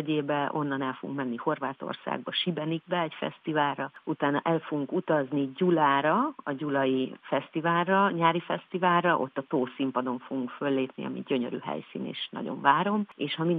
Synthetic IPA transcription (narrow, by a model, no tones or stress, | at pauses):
ɟeːbɛʔo̞nːɒnɛlfoɡṵŋkmɛnːiho̞rvaːt̪o̰rsa̰ːɡbɒʃibɛniɡ̚bɛɛcfɛ̰st̪ivaːrrɒut̪aːnɒʔɛlfo̞ɡuŋkut̪ɒzniɟulaːɾɒɒɟulɒjifɛst̪ivaːrɒɲaːɾifɛst̪ivaːlːɒʔo̞̰t̪ːɒt̪oːsimpɒd̪o̞ɱfo̞ɡuŋkfølːeːpnḭɒ̰mḭɟø̞ɲøɾy̰ːɦɛ̰jsḭːnḛːʃnɒ̰ɟo̞̰ɱvaːɾo̞meːʃhɒmin